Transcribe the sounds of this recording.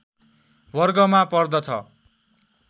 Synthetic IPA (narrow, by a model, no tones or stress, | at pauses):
bʌrɡʌmapʌrd̪ʌt͡sʰʌ̰